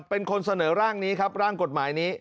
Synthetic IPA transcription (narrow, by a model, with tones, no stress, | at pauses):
pe˧nkʰo˧nsa˧nɤː˩˦ɾaː˥˩ŋniː˦˥kʰa˦˥p̚ɾaː˥˩ŋko˨˩t̪̚maː˩˦jniː˦˥